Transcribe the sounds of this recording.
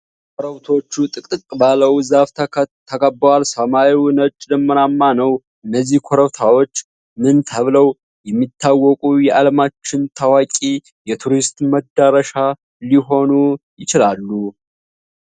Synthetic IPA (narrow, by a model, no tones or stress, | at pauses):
kʷʰoɾəwt̪ʰo̞t͡ʃːut̪ʼɨkʼɨkʼbaləwzaft̪ʰt̪ʰːəkʼəbːəwalsəmaiwunət͡ʃʼd̪əmːənamːanəw | ʔɨnːəzːihkʰoɾəwt̪ʰawo̞t͡ʃː | mɨnt̪ʰəβləw | jɛmːit̪ʰːawːɔkʼujɛʔaləmat͡ʃːɪnt̪ʰawakʼi | jɛt̪ʰuɾist̪məd̪ːaɾəʃa | liɦo̞nujɪt͡ʃɪlalːu